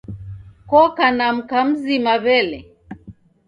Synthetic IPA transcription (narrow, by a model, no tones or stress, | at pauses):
kɔkanam̩kam̩zimaβɛlɛ